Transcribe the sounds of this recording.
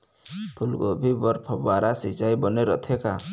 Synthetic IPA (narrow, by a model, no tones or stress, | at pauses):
pʰulɡɔbʱibɔɾpʰɔbaɾasit͡ʃajbɔneɾɔt̪ʰɛka